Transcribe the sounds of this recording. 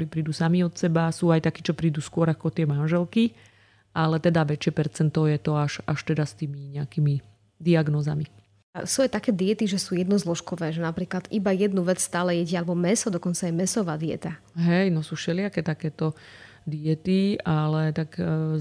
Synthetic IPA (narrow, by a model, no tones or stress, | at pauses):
ɔɾiːpɾiːd̪uːsamiɔt̪sɛbasuːajt̪akiːt͡ʃɔpɾiːd̪uːskʊɔɾakɔt̪ɪɛmanʒɛlki | ʔalɛt̪ɛd̪aʋɛt͡ʃɪɛpɛɾt͡sɛnt̪ɔjɛt̪ɔaʃaʃt̪ɛd̪ast̪iːmiɲɛakiːmi | d̪iaɡnɔːzami | a̰suajt̪akɛːd̪iɛt̪iʒɛsuːjɛd̪nɔzlɔʃkɔʋɛːʒɛnapɾiːklad̪ʔibajɛd̪nuʋɛt͡sst̪aːlɛjɛɟɛalɛbɔmɛsɔd̪ɔkɔnt͡sajɛmɛsɔʋaːd̪iɛ̰t̪a | ɦɛjnɔsuːʃɛlɪakɛt̪akɛːt̪ɔ | d̪iɛt̪ialɛt̪aɡ